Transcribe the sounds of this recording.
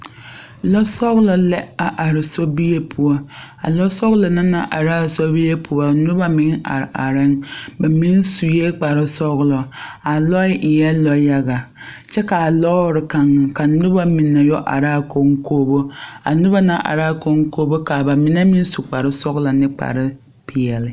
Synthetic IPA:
lɔ˦sɔ˦ɣlɔ˨lɛ˦a˨ʔa˨ɾɪ˨so˦bi˦je˦pʰu˨ɔ˦a̰˨lɔ˦sɔ˦ɣlɔ˨na˦na˦ʔa̰˨ɾa˦˨so˦bi˦je˦pʰu˨ɔ˨˦nʊ˦ba˦mɪ˦ŋa̰˨ɾʔa̰˨ɾɪ˦ŋba˨mi˦n˦su˨je˦k͡pa˨ɾɪ˦sɔ˦ɣlɔ˨a˨lɔ˦ɪ˦ʔɪ˨jɛ˦lɔ˦ja˦ɡa˨ | t͡ʃɛ˦ka˨a˨lɔ˦ɾɪ˨ka˨ŋ˨ka˨nʊ˦ba˦mi˨nːa˨jɔ˦ʔa̰˨ɾa˦˨ko˦ŋkʰoː˦bo˦a̰˨nʊ˦ba˦na˦ʔa̰˨ɾa˦ko˦ŋ˦koː˦bo˦ka˨ba˨mɪ˨na˦mi˦n˦su˨k͡pa˨ɾɪ˦sɔ˦ɣlɔ˨nɪ˦k͡pa̰˨ɾɪ˦ | pʰɪ˨ɛ˨lɪ˨

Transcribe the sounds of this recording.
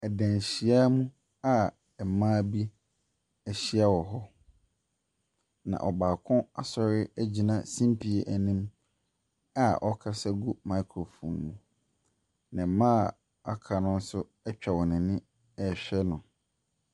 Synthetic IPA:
ɛ˨dæ̃˨n˨ɕi˨a˦mũ˦ | a˦˨ | mãː˦bi˦ | ɛ˨ɕi˦a˦wɔ˨ɦɔ˦ | nã̰˨ʔɔ˨baː˨kʰʊ̃˦a˦sɔ˨ɾɪ˦æ˦d͡ʑi˨nã˦˨sĩ˦m˦pʰi˨e˦ʔæ˨nĩ˦m | a˦˨ʔɔ˦kʰa˦sa˦ɡu˦mã˨˦kʰɾo˨fɔ̰̃˨nːũ˨ | nã˨mãː˦˨ | a̰˦kʰa˨nʊ̃˦n̩˦sʊ˦ | ɛ˦t͡ɕᶣa˨wɔ˨nɪ̃˨nɪ̃˦ | ɛ˨ɕᶣɛ˦nʊ̃˨

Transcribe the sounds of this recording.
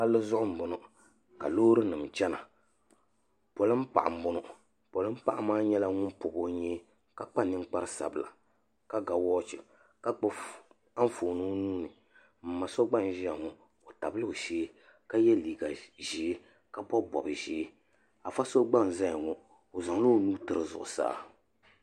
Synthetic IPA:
pa˦lːɨ˦zʊ˦ʔʊ˦m̩˨bʊ˨nʊ˦ | ka̰˨loː˦ɾɨ˦nɨ˨m˨t͡ʃɛ˦na̰˨ | po˨lɨ˦m˦pa̰˨ʔa̰˨m̩˨bʊ˦nʊ˦ | po˨lɨ˦m̩˦pa˨ʔa˦maː˦ɲɛ˦la˦ŋʊ˦npʊ˨bo˦ɲɛː˦ | ka˦k͡pa˦nɨ˦ŋ˦k͡pa˦ɾɨ˦sa̰˨bɨ˨la̰˨ | ka˦ɡa˨wɔː˦t͡ʃɪ̰˨ | ka˦k͡p | a˦ɱ˦foː˨no˦nuː˦nɨ˨ | m̩˨ma˨so˦ɡ͡ba˦n˨ʒa˨ŋɔ˨ | o˨ta˨bɨ˦lɨ˦˨ʃeː˦ | ka˦jɛ˦liː˨ɡa˨ʒi˨˦ | ka˦bɔ˦bɔ̰˨bɨ˨ʒeː˦ | a˨fa˦so˦ɡ͡ba˦˨n˨za˦˨ŋɔ˦ | o˨za˨ŋ˦lo˦nuː˦tɨ˦ɾɨ˦zʊ̰˨ʔʊ̰˨sa̰ː˦

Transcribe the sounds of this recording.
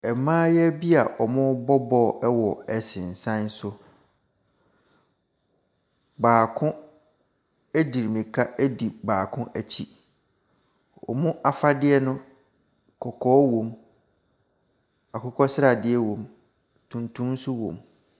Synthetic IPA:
ɛ˨mãː˦jɛ˦bi˦a˨ʔɔ˨mʊ̃˦bɔ˦bɔ˦˨ɛ˦wɔ˨ɛ˨sɪ̃˨n̩˨sã˦n˦sʊ˦ | baː˨kʰʊ̃˦ | æ˦di˨ɾmĩ˨kʰa˦ʔæ˦di˨baː˨kʰʊ̃˦ʔæ˨t͡ɕʰi˨ | ɔ̰˨mʊ̃˦ʔa˨fa˦dɪ˦ɛ˦nʊ̃˦ | kʰɔ˨kʰɔː˦wõ˨m | a˨kʰʊ˦kʰɔ˦sɪ˦ɾa˨dɪ˦ɛ˦wõ˨m | tʰũ˨ntʰũ˦m˦sʊ˦wõ̰˨m

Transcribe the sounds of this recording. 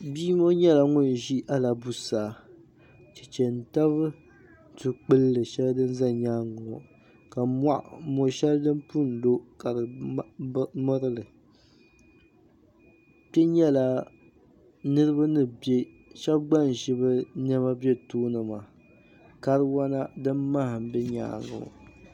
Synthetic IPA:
biː˦mo˦ɲɛ˦la˨ŋʊ˦˨ʒi˦ʔa˦la˨bu˦saː˨ | t͡ʃɛ˨t͡ʃɛ˨n̩˨ta˦βɨ˦˨ | tɨ˨k͡pɨ˦lːɨ˨ʃɛ˦ldɨ˦n˦za˦ɲaː˦ŋʊ˨ | ka˨ma˦ʔmo˨ʃɛ˦ldɨ˦mpu˦˨n˨do˦ka˨ɾɨ˨˦ | mɔ˦ɾɨ˦lɨ˨ | pɛ˦ɲɛ˦la˨ | nɨ˦ɾɨ˦ba˦nɨ˦˨bje˦ | ʃɛ˦b̚ɡ͡ba˦n˨ʒi˦bɨ˦nɛ˦ma˦bɛ˦tuː˦nɨ˨ma˨ | ka˦ɾɨ˦wa˦na˦dɨ˦mːa˦hɨ˨m˨bɛ˦ɲa̰ː˦ŋɡʊ̰˨

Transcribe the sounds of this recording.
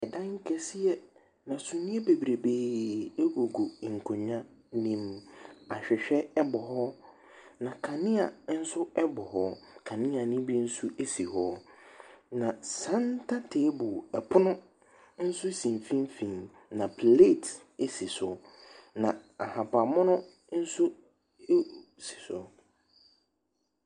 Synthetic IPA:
ɛ˨dã˦ŋ̩˦kʰɛ˦si˦ɛ˦ | nã˨sũ˨nĩ˦e˦be˨bɾe˨beː˦e˦ɡo˨ɡo˨ŋ̩˨kʰʊ˨ɲã˦ | nĩ˦ma˨ɕᶣɛ˨ɕᶣɛ˦ɛ˦bɔ˨ɦɔ˦ | nã˨kʰã˨nɪ̃˦a˨n̩˦sʊ˦ɛ˦bɔ˨ɦɔ˦kʰa˨nɪ̃˦a˨nĩ˦bi˦n̩˦sʊ˦ʔe˦si˨hɔ˦ | nã˨sã˦n˦tʰa˦tʰe˨˦bʊ˨ɛ˨pʰʊ˦nʊ̃˦ | n̩˦sʊ˦sĩ˨m˨fĩ˦mfĩ˨n | nã˨pʰle˦˨t | e˦si˨sʊ˨nã˨a˨hã˨pʰa˨mɔ̃˦nʊ̃˦ | n̩˦sʊ˦ | si̥˨sʊ˨

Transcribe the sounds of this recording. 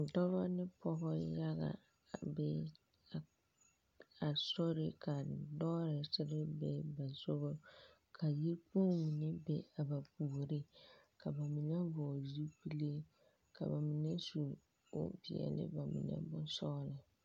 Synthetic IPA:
dɔ˦ba˦nɪ˦pɔ˦ɦɔ˦ja˦ɣa̰˨ | bɛ˦˨ | a˨sɔ˦ɾɪ˦ka˨dɔ˦ɾɪ˨sɪ˦ɾɪ˦bɛ˦ba˨zʊ˦ɣʊ˦ | kʰa˨ji˦ɾpu˦mi˨nɪ˦be˨a˨ba˨pu˨o˨ɾɪ˦ka˨ba˨mi˨nɛ˦bɔ˨zi˦pi˦le˦ | ka̰˨ba˨mi˨ne˦su˨ | o̰˦pi˨ɛ̰˨lɪ̰˦ba˨mḭ˨nɛ̰˦bʊ˦sɔ˦lɪ˨

